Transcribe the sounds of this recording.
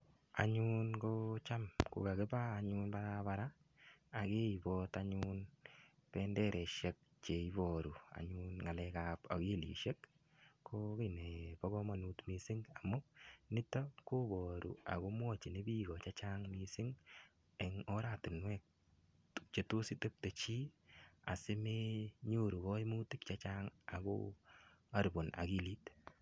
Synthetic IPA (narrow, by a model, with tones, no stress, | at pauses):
a̰˨ɲu˦nko˦t͡ʃa˦mko̰˨ka˨ke˦baː˦˨ɲʊ˦nba˦ɾaba˦ɾa˦ | a˨ke˦i˨bɔ˦taɲun | pɛ˦ndɛ˦ɾʔɛ˨ʃe˦k̚ | t͡ʃe˨ibɔɾu˨a̰˨ɲunŋa˨lɛ˧kapa̰˨kɪ˦lḭ˨ʃe˦k | kʰːokɪ˨ne˨pɔ˦ɣɔ˦ma˨nu˦tmi˨sɪ˦ŋa˨mʊ˦nɪ˦tɔ˦ko˦bɔ˨ɾṵ˨a̰˨ko˦mwɔ˦t͡ʃi˨ne˦bi˦ɡɔ˨t͡ʃa˦t͡ʃa˦ŋmisɪ˦ŋ | eŋɔ˦ɾa˦˨tɪ˨nwɛ˦k̚ | t͡ʃe˨to˦si˦te˦p̚te˨t͡ʃi˦a̰˨sɪ˦me˦ɲo˦ɾu˨kɔ˦i˦mu˦tɪ˦kt͡ʃa˦t͡ʃaŋa˨ko̰ | a˦ɾbo˨na̰˨ki˦liː˦t